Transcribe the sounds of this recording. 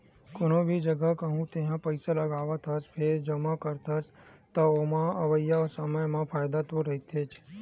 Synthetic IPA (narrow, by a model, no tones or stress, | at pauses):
konobʱid͡ʒəɡakəɦũt̪eɦãpəɪsaləɡaːʋat̪ʰəspʰeɾd͡ʒəmãkəɾt̪ʰəst̪əomãəʋəjasəməjmãpʰaːjd̪at̪oɾəɦit̪ʰeːt͡ʃʰ